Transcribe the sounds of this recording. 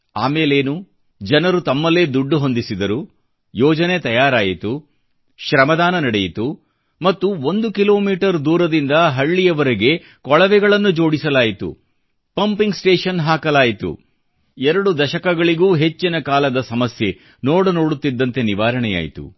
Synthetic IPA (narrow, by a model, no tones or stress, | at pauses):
aːmeːle̞ːnu | d͡ʒɐnɐɾut̪ɐmːɐle̞ːd̪uɖːuɦo̞nd̪isid̪ɐɾu | jɔːd͡ʒɐne̞t̪ɐjaːɾaːjit̪u | ʃɾɐmɐd̪aːnɐnɐɽejit̪u | mɐt̪ːuond̪ukilo̞ːmiːʈɐɾd̪uːɾɐd̪ind̪ɐɦɐɭːijɐʋɐɾɐɡe̞ | kɔɭɐʋɛɡɐɭɐnːud͡ʒo̞ːɽisɐlaːjit̪ṵ | pɐmpiŋɡsʈeːʂɐnɦaːkɐlaːjit̪ṵ | ɛɾɐɽud̪ɐʃɐkɐɡɐɭiɡuːɦe̞t͡ʃːinɐkaːlɐd̪ɐsɐmɐsje̞ | noːɽuno̞ːɽut̪ːid̪ːɐnt̪e̞niʋaːɾɐɳɛja̰ːjḭt̪ṵ